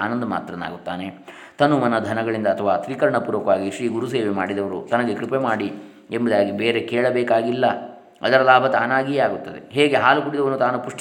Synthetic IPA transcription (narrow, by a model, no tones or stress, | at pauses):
aːnɐnd̪ɐma̰ːt̪ɾɐna̰ːɡut̪ːaːne | t̪ɐnːumɐnɐd̪ʱɐnɐɡɐɭind̪ɐːt̪ʰɐʋaːt̪ɾiːkɐɾɐɳɐpuːɾʋɐkɐʋaːɡiʂɾiːɡuɾuseːʋemaːɽid̪ɐʋɐɾṵt̪ɐnɐɡe̞kɾipemaːɽi | embɐd̪aːɡibeːɾekeːɭɐbeːkaːɡilːɐ | ɐ̰d̪ɐɾɐlaːbʱɐt̪aːnaːɡijaːɡut̪ːɐd̪ḛɦeːɡe̞ɦaːlukuɽid̪ɐʋɐnːut̪aːnupuʂʈ